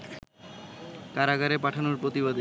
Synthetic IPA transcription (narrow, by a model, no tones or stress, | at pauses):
kaɾaɡaɾepaʈʰanoɾpɾot̪iβad̪e